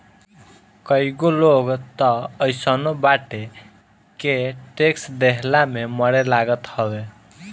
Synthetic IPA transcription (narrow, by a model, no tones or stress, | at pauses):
kəɦiɡoloɡt̪ʌəjsənobaʈe | keʈeksd̪eɦlameməɽelaɡət̪hɔbe